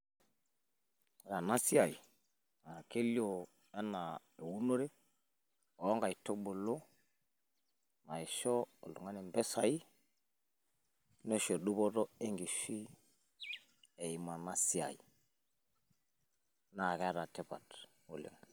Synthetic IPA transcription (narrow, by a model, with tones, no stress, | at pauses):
ɾa˨na˦si˦a˨i˨ | a˨ke˦li˦o˨ | e˦na˨ | e˨wu˦no˦ɾe˦ | o˨˦ŋɡa˨i˨to˦bo˨lo˦ | ma˨i˨ʃɔ˦o̰˨lu˨ŋa˦ne˨mbɛ˦sa˨i˦ | ne˦ʃo˨ɗu˦bɔ˦tɔ˦e˦ŋɡi˨si˦ | e˨i˨ma˨na˦si˦a̰˨ḭ˨ | na˨kɛ˦a˦ɾa˨te˨pa̰˨t | ṵ˨lḛ˨ŋ